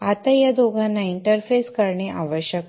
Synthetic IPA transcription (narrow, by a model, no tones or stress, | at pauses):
at̪ajad̪oɡʱanːaiɳʈəɾfeskəɾɳeʔaʋəɕjək